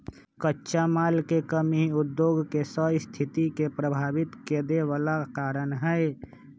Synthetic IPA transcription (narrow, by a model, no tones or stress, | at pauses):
kətːʃamalkekəmiud̪joɡʱkesəst̪ʰit̪ikepɾəbʱaːbit̪ked̪eʋalakaɾənɦəɪ